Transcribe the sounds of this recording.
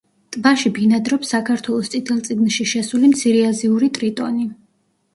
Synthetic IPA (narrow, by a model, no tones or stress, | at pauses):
t̪ʼvaʃibinad̪ɾɔpsːakʰaɾt̪ʰwɛlˠɔst̪sʼit̪ʰɛlˠt̪sʼiɡnʃiʃɛsulimt̪sʰiɾiaziuɾit̪ʼɾit̪ʼɔ̰ni